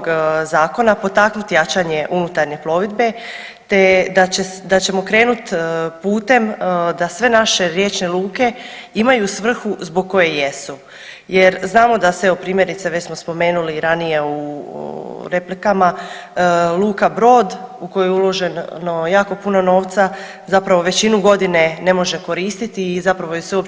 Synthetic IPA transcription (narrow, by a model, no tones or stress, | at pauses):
oɡzaːko̞napo̞t̪aknut̪ijat͡ʃaɲe̞ʔunut̪aɾɲe̞plo̞ʋid̪be̞ | t̪e̞d̪at͡ɕed̪at͡ɕe̞mo̞kɾe̞ːnut̪puːt̪e̞md̪asʋe̞naʃe̞ɾje̞ːt͡ʃne̞lˠuːke̞imajusʋr̩xuzbo̞ɡ̚kːo̞jeje̞su | jeɾznaːmo̞d̪aseopɾiːmje̞ɾit̪seʋet͡ɕsmo̞spo̞me̞ːnuliɾanije̞u | ɾe̞plikama | lˠuːkabɾo̞ːd̪uko̞jojulˠo̞ʒe̞nno̞jaːko̞puno̞no̞ːʋt̪sa | zapɾaʋo̞ʋe̞t͡ɕinuɡo̞d̪ine̞ne̞mo̞ʒe̞ko̞ɾiːst̪it̪izapɾaʋojeseop